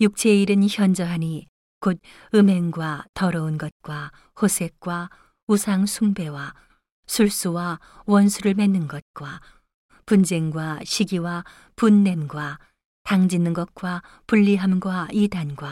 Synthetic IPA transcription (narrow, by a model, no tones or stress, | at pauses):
juk̚t͡ɕʰeiɾɯnçjʌnd͡ʑʌɦani | kod̚ | ɯme̞ŋɡwatʌɾʌunɡʌt̚k͈wa | hosʰe̞k̚k͈wa | usʰaŋsʰuŋbe̞wa | sʰuɭs͈uwa | wʌnsʰuɾɯɭmenːɯnɡʌt̚k͈wa | pund͡ʑe̞ŋɡwaɕʰiɡiwa | punːe̞mɡwa | taŋd͡ʑinːɯnɡʌt̚k͈wa | puʎːiɦamɡwaidanɡwa